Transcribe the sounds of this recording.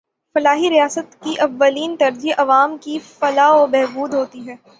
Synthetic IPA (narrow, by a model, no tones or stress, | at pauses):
fɐlaːɦiɾijaːsət̪kiʔɐʋːɐliːnt̪ɐɾd͡ʒiʔɐʋaːmkifɐlaːobɛɦbuːd̪ɦoːt̪iɦɛː